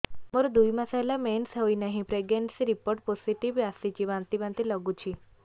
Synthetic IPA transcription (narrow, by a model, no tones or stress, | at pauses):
moɾd̪ujmasajlamensɦəinaɦĩpɾeɡenʈsɾipoɾʈ̚pɔsiʈiʋasit͡ɕiʋãnt̪iʋãnt̪iləɡũt͡ɕʰi